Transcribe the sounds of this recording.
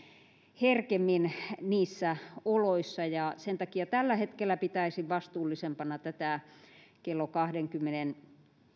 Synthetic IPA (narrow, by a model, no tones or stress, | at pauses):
herkemːinniːsːæoloisːɑjɑsent̪ɑkiɑt̪ælːæhet̪kelːˑæpit̪æisiʋʋɑst̪uːlːisempɑnɑt̪æt̪æˑkelːokɑhdeŋkymːenen